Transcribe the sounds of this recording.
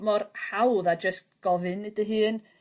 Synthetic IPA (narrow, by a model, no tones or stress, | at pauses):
mɔrhawðad͡ʒəst̚ɡ̥ɔvɨnɨdəɦɨːn